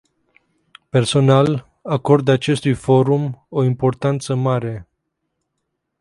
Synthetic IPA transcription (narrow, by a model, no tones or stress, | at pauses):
pe̞rso̞nal | ako̞rd̪at͡ʃe̞st̪ujfo̞ɾumoimpo̞rt̪ant̪səmaɾe̞